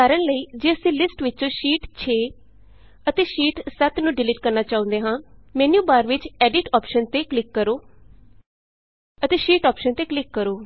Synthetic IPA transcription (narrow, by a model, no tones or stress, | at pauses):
aːɾəɳləiːd͡ʒeːəsĩːlɪsʈʋɪt͡ʃõːʃiːʈt͡ʃʰeː | ət̪eːʃiːʈsət̪nũːɖɪlɪːʈ̚kəɾnaːt͡ʃaːõnd̪eːɦãːmɛːnjuːbaːɾʋɪt͡ʃɛːɖɪʈɔːpʃənt̪eːklɪkːəɾoː | ət̪eːʃiːʈɔːpʃənt̪eːklɪkːəɾoː